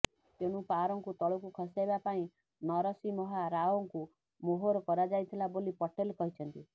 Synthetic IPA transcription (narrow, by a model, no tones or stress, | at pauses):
t̪eɽ̃upaɾɔŋkut̪ɔɭɔkukʰɔsajbapaĩ | nɔɾɔsimɔɦaɾaoŋku | moɦoɾɔkɔɾad͡ʒajt̪ʰilabolipɔʈelkɔɦit͡ʃʰɔnt̪i